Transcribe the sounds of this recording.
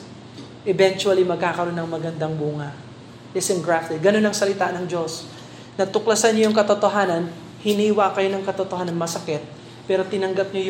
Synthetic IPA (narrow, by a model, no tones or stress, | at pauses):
ʔɛbɛnt͡ʃuɐlimɐɡ̚kaːkɐɾo̞nːɐŋmɐɡɐnd̪ɐŋbuːŋɐ | ɛsɛŋɡɹaft̪ɛd̪̚ɡɐno̞nɐŋsɐlɪt̪aːnɐŋd͡ʒo̞s | nɐt̪ʊklɐsanɲojʊŋkɐt̪ot̪o̞ɦaːnɐn | hɪniːwɐkɐjo̞nɐŋkɐt̪ot̪ohaːnɐnmɐsɐkɛt̪̚ | pɛːɾo̞t̪ɪnɐŋɡɐp̚ɲoj